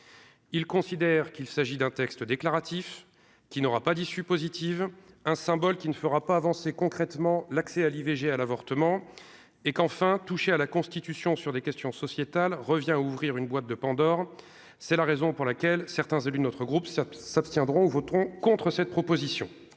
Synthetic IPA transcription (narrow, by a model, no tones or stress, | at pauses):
ilkɔ̃sid̪ɛʁkilsaʒid̪ɛ̃t̪ɛkst̪əd̪eklaʁat̪ʰif | kʲinɔʁapad̪isypozit̪if | ɛ̃sɛ̃bɔlkʲinəfəʁapaːvɑ̃sekɔ̃kχɛt̪mɑ̃laksɛaliveʒealavɔʁt̪əmɑ̃ | ekɑ̃fɛ̃t̪uʃealakɔ̃st̪it̪ysjɔ̃syʁd̪ekʲɛst̪jɔ̃sɔsjet̪alʁəvjɛ̃auvʁiʁynbwat̪̚d̪əpɑ̃d̪ɔʁ | sɛlaʁezɔ̃puʁlakʲɛlsɛʁt̪ɛ̃zelyd̪ənɔt̪χəɡʁupsapst̪jɛ̃d̪ʁɔ̃uvɔt̪ʁɔ̃kɔ̃t̪χəsɛt̪̚pχɔpozisjɔ̰̃